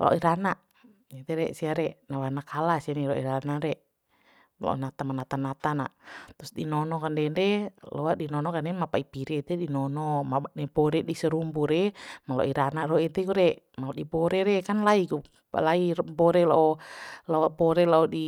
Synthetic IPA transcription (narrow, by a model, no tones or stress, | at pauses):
lo̰ʔiɾanaʔ | it̪ɛɾɛsiaɾɛnawanakalasianiɾɔḭɾanaɾɛ | la̰ɔ̰nat̪amanat̪anat̪ana̰ʔt̪usdinɔnɔkandɛndɛlowadinɔnɔkanɛmapaipiɾɛt̪ɛdinɔnɔmanɛbɔɾɛdisəɾumbuɾɛmalo̰ʔiɾanarɔit̪ɛkuɾɛʔ | malɔdibɔɾɛɾɛkanlaiku | laibɔɾɛlaɔlabɔɾɛlaɔdi